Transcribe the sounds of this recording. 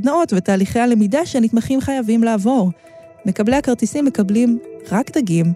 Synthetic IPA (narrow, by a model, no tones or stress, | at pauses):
dnao̞tvet̪aːliχeale̞midaʃenit̪maχimχajavimlaːvo̞ʁ | me̞kableakaʁt̪isimːe̞kablimʁakd̪aɡim